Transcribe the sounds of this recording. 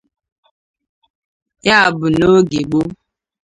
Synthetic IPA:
ja˦a˨bʊ˨no˦ɡe˨ɡ͡bo˦

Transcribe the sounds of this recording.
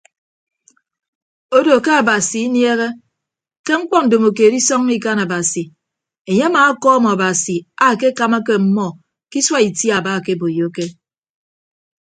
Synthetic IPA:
o˦do˨ke˦a˨ba˨si˨i˦nje˦ɣe˦ | ke˦ŋ͡m̩˦k͡pɔ˦n̩˨do˨mo˨ke˨di˦sɔ˦ŋː˦i˦ka˦na˨ba˨si˨ | e˨ɲe˦a˦maː˨˦kɔ˦mɔ˨a˨ba˨si˨a˦˨ke˦ka˨ma˦ke˦m̩˦mɔ˦ | ki˦swa˦i˨tja˨ba˦˨ke˦bo˨jo˦ke˦

